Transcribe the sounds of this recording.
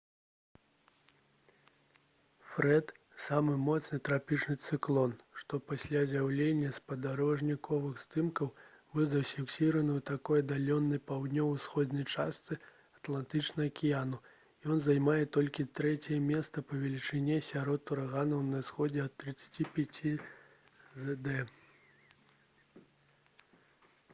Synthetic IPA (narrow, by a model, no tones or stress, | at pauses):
fɾɛt̪ | samɨmɔt̪snɨt̪ɾapʲit͡ʂnɨt̪sɨklˠɔnʂt̪ɔpasʲlʲazʲawlʲenʲːɐspɐd̪aɾɔʐnʲikʰɔvɨxst̪ɨmkɐw | vɨzɐfʲiksʲiɾɐnɨut̪akɔjɐd̪alʲɔnːɐjpawd̪nʲɔwsxɔd̪nɐjt͡ʂast̪sɨ | ɐt̪lˠant̪ɨt͡ʂnɐɐkʲijanu | jɔnzajmajɛt̪ɔlʲkʲit̪ɾɛt͡sʲɛjɛmʲɛst̪sɐpɐvʲɛlʲit͡ʂɨnʲɛsʲaɾɔt̪uɾaɣanɐwnɐsxɔd͡zʲɛɐt̪ːɾɨt̪sːɐ̥ḁt͡sʲipʲat͡sʲi | zɛd̪ɛ